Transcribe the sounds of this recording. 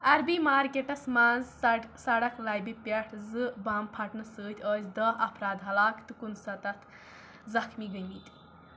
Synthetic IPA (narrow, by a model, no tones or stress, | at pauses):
ɐɾbimaːɾkʲeʈɐsmaːnzɐsɐɽɐkʰlaːjbipʲɐʈʰzɨbaːmpʰɐʈnɨsɨːt̪ʰʲəːsʲd̪ɐɦɐpʰɾaːd̪ɦɐlaːkt̪ɨkunsɐt̪ɐt̪ʰ | zɐxmiɡəjmit̪ʲ